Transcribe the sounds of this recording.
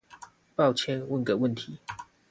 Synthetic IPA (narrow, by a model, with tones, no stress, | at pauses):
pɑ˥˨ʊt͡ɕʰjɛ˥nwə˥˨nkə˨˩wə˥˨nt̪ʰi˨˦